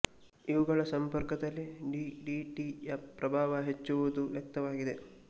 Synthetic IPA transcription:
iʋuɡɐɭɐsɐmpɐɾkɐd̪ɐlːiɖiɖiːʈijɐpɾɐbʱaːʋɐɦet͡ʃːuʋud̪uʋjɐk̚t̪ɐʋaːɡid̪e̞

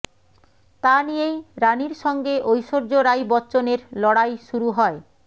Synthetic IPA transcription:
t̪anijejɾaniɾʃɔŋɡeʔojʃoɾd͡ʑoɾajbɔtːɕoneɾlɔɽajʃuɾuɦɔe

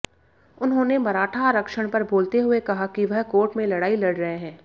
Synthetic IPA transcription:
ʊnɦõːnemɐɾaːʈʰaɾɐkʃəɽ̃pɐɾboːlt̪eɦʊekɐɦakiʋɐɦkoːɾʈmẽlɐɽaːilɐɽɾɐɦeɦɛ̃ː

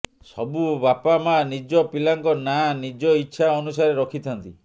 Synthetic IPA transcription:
sɔbubapamanid͡ʒɔpilaŋkɔnanid͡ʒɔitːʃʰaɔnusaɾeɾɔkʰit̪ʰɔnt̪i

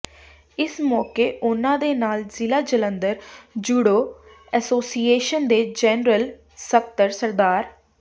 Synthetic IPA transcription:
ɪsmɔːkeːʔʊnãːd̪eːnaːlzɪlaːd͡ʒələ̃nd̪əɾd͡ʒuːɽoː | ɛsoːsiːeːʃənd̪eːd͡ʒɛːnɾəl | sək̚t̪əɾsəɾd̪aːɾ

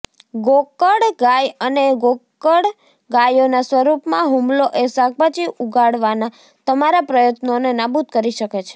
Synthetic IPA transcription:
ɡokəɽɡajəneɡokəɽ | ɡajonasʋəɾupmãɦumloʔesaɡ̚bat͡ʃiʔuɡʱaɽʋana | t̪əmaɾapɾəjət̪nonenabut̪kəɾiʃəket͡ʃʰe̥

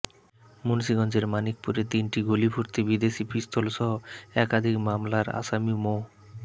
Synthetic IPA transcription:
munsiɡɔnd͡ʑeɾmanik̚puɾet̪inʈiɡolipʰuɾt̪ibid̪eʃipʰɾist̪ʰolʃɔɦoɛkad̪ʱikmamlaɾa̰ʃamimo

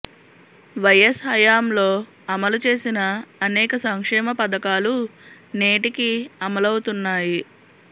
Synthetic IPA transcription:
ʋɐjɐsɦɐjaːmlo̞ː | ɐmɐlut͡ʃe̞ːsinɐːnɛːkɐsɐŋkʂɛːmɐpɐd̪ɐkaːlu | ne̞ːʈikiɐmɐlɐwut̪unːaːji

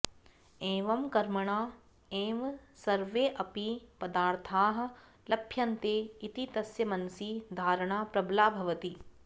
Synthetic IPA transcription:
eːʋɐmkɐɾmɐɳ̃aː | eːʋsɐɾʋeːʔɐpipɐd̪aːɾt̪ʰaːɦɐ̆ | lɐbʰʱjɐnt̪eːit̪it̪ɐsjɐmɐnsid̪ʱaːɾɐɳ̃aːpɾɐblaːbʱɐʋɐt̪i

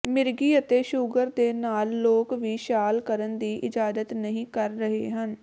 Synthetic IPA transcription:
mɪɾɡiːət̪eːʃʊɡəɾd̪eːnaːlːoːkʋiːʃaːlkəɾənd̪iːʔɪd͡ʒaːd̪ət̪nəɦĩːkəɾːəɦḛːɦən

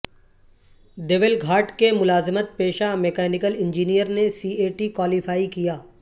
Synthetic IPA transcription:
ɖeʋɪlɡʱaːɾʈkemʊlaːzɪmət̪̚peːʃamekɛːnɪkəlɪ̃nd͡ʒiːnijəɾnesiːeːʈikwaːlifaːikijaː

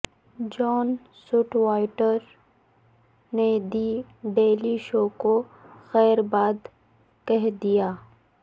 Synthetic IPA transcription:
d͡ʒɔːn | sʊʈwaːɪʈəɾ | ned̪ibeːliʃoːkoxɛːɾbaːd̪ | kɛɦd̪ijaː

